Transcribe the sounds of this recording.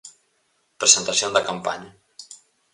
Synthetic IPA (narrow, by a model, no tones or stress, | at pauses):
pɾəzənt̪asjond̪əkampa̰ɲə